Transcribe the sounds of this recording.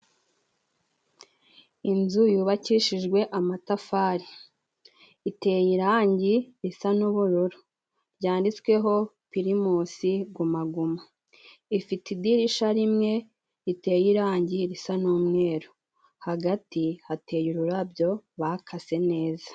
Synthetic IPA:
inzujuβaciʃiʒɡwe̞ʔamatafaɾi | ite̞jiɾaːɲɟiɾisanuβuɾuɾu | ɾɟaːndit͡skwe̞ɦo̞ | piɾimuːsiɡumaɡuma | ifitidiɾiʃaɾimŋe̞ | ite̞jiɾaːɲɟiɾisanuːmŋe̞ːɾu | haɡatihatʰe̞juɾuɾabɟo̞βakʰase̞ne̞ːzḁ

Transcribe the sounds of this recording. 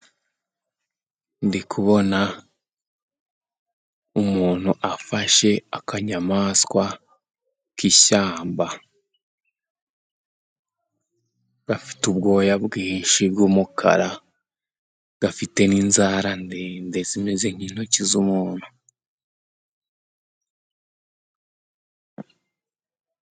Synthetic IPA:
ndikʰuβo̞na | umuːn̥huʔafaʃe̞akʰaɲamaːskwa | kiɕaːmba | ɡ̥afi̥tubɡo̞ːjabɡiːʃibɡuːmukʰa̰ɾa | ɡ̥afite̞ninzaɾandendezime̞ze̞ɲ̥in̥hocizumuːn̥hu

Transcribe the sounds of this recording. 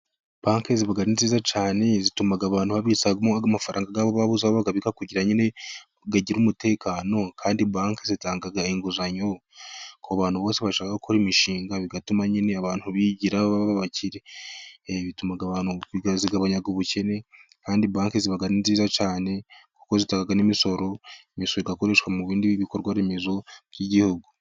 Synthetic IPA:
b̥aːŋkeziβaɡaɾinziːzat͡ʃaːne̞zitumaɡaβaːn̥huβaβisaɡamoaɡamafaɾa̰ːŋɡaɡaːβoβaβuzaβoβaɡaβikakuɟiɾaɲine̞ | ɡaɟiɾumute̞ːkʰaːno̞kʰaːndibaːŋkezitaːŋɡaɡaiŋɡuzaɲo̞kʰoaβaːn̥huβo̞ːse̞βaʃaːkakokʰoɾimiʃiːŋɡaβiɡatumaɲine̞aβaːn̥huβiɟiɾaβaβaβaβaciɾe̞ | βitumaɡaβaːnhuɡaziɡaβaɲaɡoβuce̞ne̞ | kaːndibaːŋkeziβaɡaninziːzat͡ʃaːne̞ku̥ko̞zitaːŋɡaɡanimiso̞ɾo̞imisoɾoiɡako̞ɾe̞ʃwamuβiːndiβiβiko̞ɾɡwaɾemezo̞bjiɟihuɡu

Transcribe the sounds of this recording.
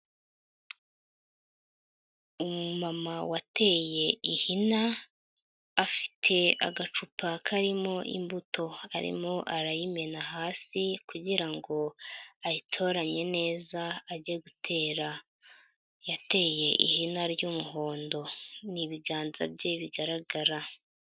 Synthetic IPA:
umumamawate̞ːje̞ihina | fi̥tʰe̞a̰ɡat͡ʃupʰakʰaɾimo̞ʔḭmbutʰo̞a̰ɾḭmoʔaɾajime̞naɦaːsikuɟiɾaŋɡo̞ajitʰo̞ːɾaɲe̞ne̞ːzaːɟieɡutʰe̞ːɾa | jate̞ːje̞ʔḭhinaɾɟumuɦo̞ːndo̞niβiɡaːnza̰bjeβiɡaɾaɡaɾa

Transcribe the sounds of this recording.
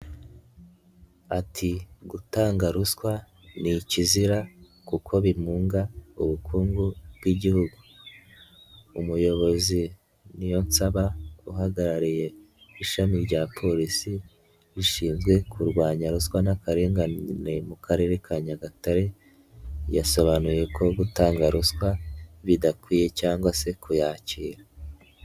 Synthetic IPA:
atʰiɡutaːŋɡaɾuskwa | niciziɾa | kukʰo̞βimuːŋɡaṵβukʰuːŋɡubɡiɟihuɡu | umujo̞βo̞zi | nijo̞nsaβauɦaɡaɾaɾije̞ | iʃamiɾɟaːpʰo̞ɾisi | βiʃiːnzɡwe̞kʰuɾɡwaːɲaɾuskwanakaɾe̞ːŋɡanemukaɾe̞ɾe̞kʰaɲaɡataɾe̞ | jaso̞βanuje̞kʰo̞ɡutaːŋɡaɾuskwaβidakwiːje̞caːŋɡwase̞kujaːciːɾa

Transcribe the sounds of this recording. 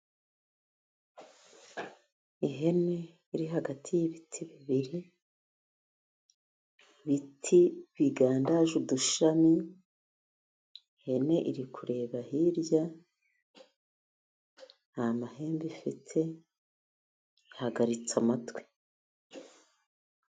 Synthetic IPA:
iɦe̞ne̞ | iɾiɦaɡatʰijiβitʰiβiβiɾi | βitʰiβiɡaːndaʒuduʃami | ihe̞ne̞ʔiɾikʰuɾe̞ːβahiɾja | amahe̞ːmbifitʰe̞ | ihaɡaɾit͡samatwe̥

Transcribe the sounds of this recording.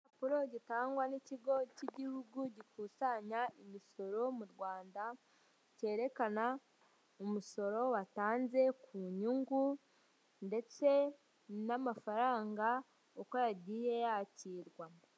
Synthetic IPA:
apuɾo̞ɟitaːŋɡwaniciɡo̞ciɟihuɡuɟikusaɲaimiso̞ɾo̞muɾɡwaːnda | ce̞ːɾe̞kana | omuso̞ɾo̞wataːnze̞kʰuɲuŋɡu | nde̞t͡se̞ | namafaɾaːŋɡa | okoɾaɾɟiːje̞jaciɾɡwa

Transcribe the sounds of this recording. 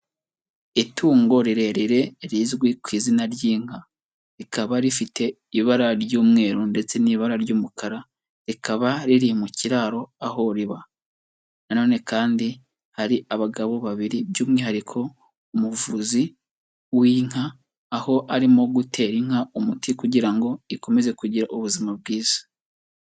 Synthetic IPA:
itʰuːŋɡo̞ɾiɾe̞ɾiɾe̞ɾizɡwikwiːzinaɾjiːŋ̥ha | ɾikʰaβaɾifitʰe̞ | iβaɾaɾɟuːmŋe̞ːɾunde̞t͡se̞niːβaɾaɾɟuːmukʰaɾa | ɾikaβaɾiɾimuciɾaːɾo̞aho̞ɾiβa | nano̞ːne̞kaːndi | haɾiʔaβaɡaβo̞βaβiɾibjuːmŋeɦaɾikʰo̞ | umuvuzi | wiːŋ̥haː | ho̞ʔaɾimo̞ɡutʰe̞ɾiŋ̥haumutikuɟiɾaŋɡo̞iko̞me̞ze̞kuɟiɾaʔuβuzimab̚ɡiːz̥ḁ

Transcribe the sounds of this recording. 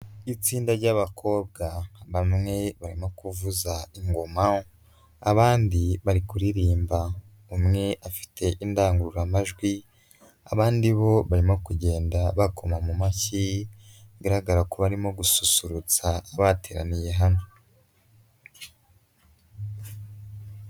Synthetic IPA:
it͡siːndaɾɟaβakʰo̞ːb̚ɡaβamŋe̞βaɾimo̞kuvuzaiŋɡo̞mao | a̰βaːndiβaɾikuɾiɾiːmba | umŋe̞ʔafi̥tʰe̞ʔindaːŋɡuɾuɾamaʒɡwi | a̰βaːndiβo̞βaɾimo̞kuɟe̞ːndaβakʰo̞mamumaçi | ɡaɾaɡaɾakoβaɾimo̞ɡususuɾut͡saːβate̞ːɾa̰nijeɦano

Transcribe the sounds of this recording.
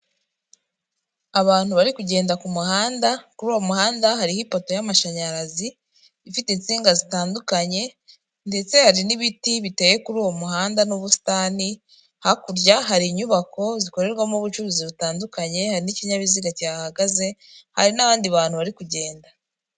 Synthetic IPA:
aβaːn̥huβaɾikuɟe̞ːndakumuhaːndakuɾuːwo̞muhaːndahaɾihipoto̞jamaʃaɲaɾazi | ifitent͡siːŋɡazitaːndukaɲe̞ | nde̞t͡se̞haɾiniβitiβite̞ːje̞kuɾuːwo̞muɦaːndanuβusi̥taːni | hakuɾɟaɦaɾiːɲuβako̞ziko̞ɾe̞ɾɡwamuβut͡ʃuɾuziβutaːndukaɲe̞haɾiniciɲaβiziɡacahaɡaze̞ha̰ɾinaβaːndiβaːn̥huβaɾikuɟe̞ːnda

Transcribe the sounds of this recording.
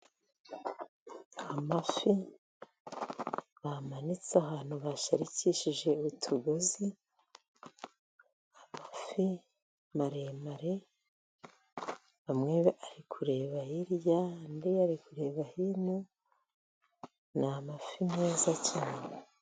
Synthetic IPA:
amafi | βamanit͡saɦaːn̥huβaʃaɾiciʃiʒe̞utʰuɡozi | amafi | maɾe̞maɾe | βamŋeβeʔaɾikʰuɾe̞ːβahiɾjandiaɾikuɾe̞ːβahinu | namafimŋeːzacine

